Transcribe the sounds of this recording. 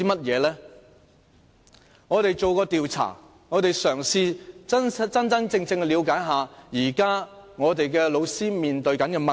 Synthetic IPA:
iː˥mɐ˥t̚jɛː˨˧lɛː˥ | ŋɔː˨˧t̪e˨jt͡so˨wkɔː˧t̪iː˨wt͡sʰa̰ː˨˩ | ŋɔː˨˧t̪e˨jsœː˨˩ŋsiː˧ɐ˥n˥t͡sɐ˥nt͡sɐ˥ŋt͡sɪ˧ŋt͡sɪ˧ŋ˧liː˨˧wkaː˨˥jɦaː˨jiː˨˩kaː˥ŋɔː˨˧t̪e˨jkɛː˧lo˨˧wsiː˥miː˨nt̪ɵ˨˧ɥkɐ˨˥nkɛ˧mɐ˨

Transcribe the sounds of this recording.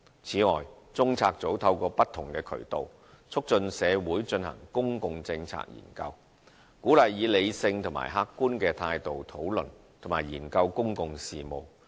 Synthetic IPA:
t͡sʰiː˨˥ŋɔ̰ː˨˩j | t͡sʊ˥ŋt͡sʰaː˧k̚t͡so˨˥wt̪ʰɐ˧wkɔː˧pɐ˥t̪ʰːʊ˨˩ŋkɛː˧kʰɵ̰˨˩ɥt̪o̰˨w | t͡sʰʊ˥k̚t͡ʃɵ˧nsɛː˨˧wuː˨˥jt͡sɵ˧nhɐ̰˨˩ŋkʊ˥ŋkʊ˧ŋt͡sɪ˧ŋt͡sʰa̰ː˥k̚jḭː˨˩nkɐ̰˧w | kuː˨˥lɐ˨jːiː˨˧le˨˧jsɪ˧ŋt̪ʰʊ˨˩ma̰ː˨˩jɦaː˥kːuː˥nkɛː˧t̪ʰaː˧jt̪o˨wt̪ʰo˨˥wlɵ˨˩n | t̪ʰʊ˨˩maː˨˩jjiː˨˩nkɐ˧wkʊ˥ŋkʊ˧ŋsiː˨mo˨w

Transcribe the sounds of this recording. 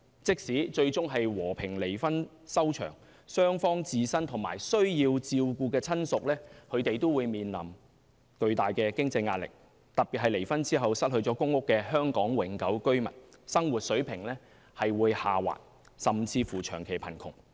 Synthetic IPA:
t͡sɪ˥k̚siː˨˥t͡ʃɵ˧ɥt͡sʊ˥ŋɦɐ˨jwɔː˨˩pʰɪ˨˩ŋle˨˩jfɐ˥n | sɐ˥wt͡ʃʰœ̰ː˨˩ŋ | sœː˥ŋfɔː˥ŋt͡siː˧sɐ˥nt̪ʰʊ˨˩ŋma̰ː˨˩jsɵ˥ɥjiː˧wt͡siː˧wkuː˧kɛː˧t͡sʰɐ˥nsʊ˨k̚lɛː˥kʰɵ˨˧ɥt̪e˨jt̪o˥wuː˨˧jmiː˨nlɐ̰˨˩m | kɵ˧ɥt̪aː˨jkɛː˧kɪ˥ŋt͡sɐ˧jŋaː˧t̚lɪ̰˨k̚ | t̪ɐ˨k̚piː˨t̚ɦɐ˨jle˨˩jfɐ˥nt͡siː˥ɦɐ˨wsɐ˥t̚hɵ˧ɥt͡ʃɔː˨˥kʊ˥ŋːʊ˥kːɛː˧ɦœː˥ŋkɔː˨˥ŋwɪ˨˥ŋkɐ˨˥wkɵ˥ɥmɐ̰˨˩n̚sɐ˥ŋwuː˨t̚sɵ˨˥ɥpʰɪ˨˩ŋlɛː˥ | hɐ˨jwuː˨˧jhaː˨wa̰ː˨t̚ | sɐ˨mt͡sʰiː˧fuː˨˩t͡ʃʰœː˨˩ŋkʰe˨˩jpʰɐ˨˩nkʰʊ˨˩ŋ

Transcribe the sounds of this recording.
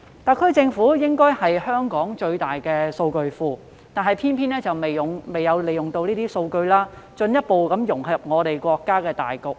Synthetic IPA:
t̪aː˨˩kʰɵ˥t͡sɪ˧ŋfuː˨˥jɪ˥ŋkɔː˥jhɐ˨jhœː˥ŋkɔː˨˥ŋt͡ʃɵ˧ɥt̪aː˨jkɛː˧so˧wkɵ˧ɥfuː˧ | t̪aː˨˩nɦɐ˨jpʰiː˥npʰiː˥nɛː˥t͡sɐ˨wme˨jʊ˨˩ŋme˨jɐ˨˧wle˨˩jʊ˨ŋt̪o˧wniː˥t̪iː˥so˧wkɵ˧ɥlaː˥t͡ʃɵ˧njɐ˥t̚po˨wkɐ˨˥mjʊ˨˩ŋhɐ˨˩p̚ŋɔː˨˧ɾe˨jkʷɔː˧kːaː˥kɛː˧t̪a̰ː˨jkʊ˨k̚

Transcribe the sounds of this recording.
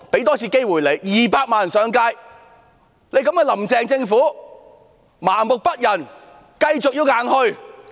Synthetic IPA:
pe˨˥jt̪ɔː˥t͡sʰiː˧ke˥jwuː˨˩jle˨˧jjiː˨paː˧k̚maː˨˩nsœː˨˧ŋkaː˧j | le˨˧jkɐ˨˥mkɛː˧lɐ˨˩mt͡sɛː˨ŋt͡sɪ˧ŋfuː˨˥ | maː˨˩ŋmʊ˨k̚pɐ˥t̚jɐ˨˩n | kɐ˧jt͡sʊ˨k̚jiː˧wŋaː˨˥nhɵ˧ɥ

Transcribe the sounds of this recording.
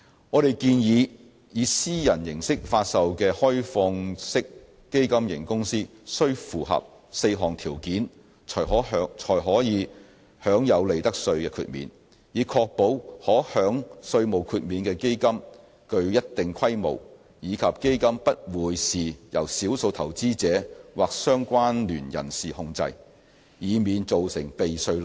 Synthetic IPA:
ŋɔː˨˧ɾe˨jkiː˧njiː˨˧ | jiː˨˧siː˥jɐ˨˩njɪ˨˩ŋsɪ˥k̚faː˧t̚sɐ˨wkɛː˧hɔː˥jfɔː˧ŋsɪ˥kː | e˥jkɐ˥mjɪ̰˨˩ŋkʊ˥ŋsiː˥ | sɵ˥ɥfuː˨˩hɐ̰˨p̚ | se˧jɦɔː˨˩ŋt̪ʰiː˨˩wkiː˨˥nʰ | ɔː˨˩ɦɔː˨˥˨t͡ʃʰɔː˨˩jɦɔː˨˥jiː˨˧ | hœː˨˥ŋjɐ˨˧wle˨˩jt̪ɐ˥k̚sɵ˧ɥkɛː˧kʰy̰ː˧t̚mḭː˨˧n | jiː˨˧kʰɔː˧k̚po˨˥whɔː˨˥hœː˨˥ŋsɵ˧ɥmo˨˩wkʰyː˧t̚miː˨˧nkɛː˧ke˥jkɐ˥m | kɵ˧ɥjɐ˥t̚t̪ɪ˨ŋkʰɐ˥jmo̰˨˩w | jiː˨˧kʰɐ˨p̚ke˥jkɐ˥mpɐ˥t̚wuː˨˧jsiː˨jɐ̰˨˩wsiː˨˥wso˧wt̪ʰɐ˨˩wt͡siː˥t͡sɛː˨˧˥waː˨k̚sœː˥ŋkʷwaː˥nlyː˨˩njɐ̰˨˩nsiː˨hʊ˧ŋt͡sɐ̰˧j | jiː˨˧miː˨˧nt͡so˨wsɪ˨˩ŋpe˨jsɵ˧ɥ

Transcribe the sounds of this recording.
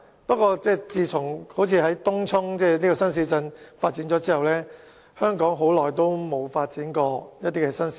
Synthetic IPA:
pɐ˥t̚kʷɔː˧t͡sɛː˥˧t͡siː˧t͡sʰʊ˨˩ŋho˨˥wt͡sʰiː˨˧ɦɐ˨˥jt̪ʊ˥ŋt͡sʰʊ˥ŋt͡sɛː˥˩niː˥kɔː˧sɐ˥ns̬iː˨˥t͡sɐ˧nfaː˧t̚t͡siː˨˥nt͡ʃɔː˨˥t͡siː˥hɐ˨wlɛː˥ | hœː˥ŋkɔː˨˥ŋɦo˨˥wlɔː˨˩jt̪o˥wmo˨˧wfaː˧t̚t͡siː˨˥nkɔː˧jɐ˥t̪̚iː˥kɛ˧sɐ˥nsi̥˨˥

